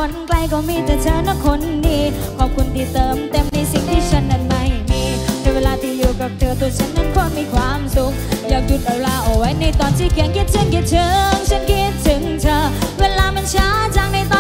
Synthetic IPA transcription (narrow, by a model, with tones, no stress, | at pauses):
kʰo˨˧˥nkla˧jkɔː˧˩miː˧˩t̪ɛ˧˩t͡ɕ̪ʰəː˧˩na˧˥˩kʰo˧˥nːiː˧˩t̪̚kʰɔː˧˩p̚kʰu˧nt̪ʰiː˧˩t̪ɤː˨˧mt̪e˧mna˧jsi˨˩ŋt̪ʰiː˧˥˩t͡ɕʰa˧˥nːa˧˩n̚ma˧˩jmiː˧˩na˧˩weː˧laː˧t̪ʰiː˧˩juː˨˩ka˨˩p̚t̪ʰɤː˧t̪ʰu˧˩t͡ɕʰa˦˥nːa˧˥˩nkʰɔː˧˩nmiː˧kʰwaː˧˥˨msu˨˧˦k̚jaː˨˩k̚ju˧˩t̪̚ʔa˨˧˩wlaː˧˩ʔɔ˨˩wa˧˥jna˧jt̪ɔː˧˩nt͡ɕiː˧˩kʰi˨˦ənki˧˥t̪̚t͡ɕʰa˧˥nki˧˩t̪̚t͡ɕ̪ʰɯ˧˦ŋt͡ɕʰa˧˥nki˧˩t̪̚t͡ɕ̪ʰɯ˨˦ŋt̪ʰə˧˩weː˧˥laː˧mɛ˧nt͡ɕʰaː˧˥t͡ɕaː˧˩ŋna˧jt̪ɔː˧